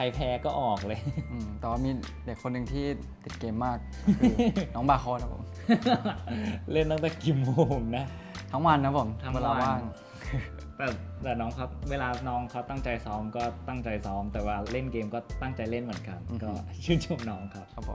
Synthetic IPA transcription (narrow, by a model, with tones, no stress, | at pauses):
kʰa˧jpʰɛː˧kɔː˥˩ʔɔː˨˩k̚lɤː˧jʔɯː˧˩mt̪ɛ˨˩waː˥˩miː˧ | de˨˩kʰːo˧nːɯ˨˩ŋt̪ʰiː˥˩ | t̪i˨˩t̪̚keː˧mːaː˥˩k̚ʰː | nɔː˦˥ŋbaː˧kʰɔː˧t̪ʰa˦˥pʰo̰˨˩˦m | le˥˩nt̪a˥˩t̪ɛː˨˩ki˨˩moː˧mna˦˥ | t̪ʰa˦˥ŋwa˧nʰa˦˥pʰo˨˩˦mt̪ʰa˦ŋwe˧laː˧waː˥˩ŋ | kʰɯ˧ | t̪ɛː˨˩t̪ɛː˨˩nɔː˦˥ŋkʰa˦˥wweː˧laː˧nɔː˦˥ŋkʰa˧˦˥wt̪a˥˩ŋt͡ɕa˧jsɔː˦˥mkɔː˥˩t̪a˥˩ŋt͡ɕa˧jsɔː˦˥mt̪ɛː˨˩waː˧˩le˥˩nkeː˧mkɔː˥˩t̪a˥˩ŋt͡ɕa˧jle˥˩nmɯ˩˦ənka˧n˧kɔː˥˧˩t͡ɕʰɯː˥˩nt͡ɕʰo˧˥mnɔː˦˥ŋkʰa˦˥p̚ʰa˦˥pʰːo̰˨˦